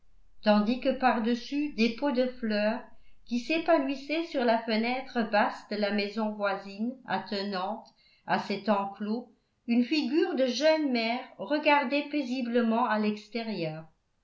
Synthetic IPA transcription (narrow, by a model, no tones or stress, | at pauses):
t̪ɑ̃d̪ikəpaʁd̪əsyd̪epod̪əflœːʁkʲisepanwisɛsyʁlafənɛt̪χəbasd̪əlamɛzɔ̃vwazina̰t̪ənɑ̃t̪ | asɛt̪ɑ̃klo | ynfiɡʲyːʁd̪əʒœnmɛːʁʁəɡaʁd̪ɛpezibləmɑ̃alɛkst̪eʁjœːʁ